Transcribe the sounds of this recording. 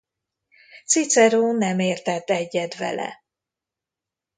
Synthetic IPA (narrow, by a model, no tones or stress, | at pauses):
t̪sit̪sɛɾoːnɛmeːrt̪ɛt̪ːɛɟːɛd̪vɛ̰lɛ̰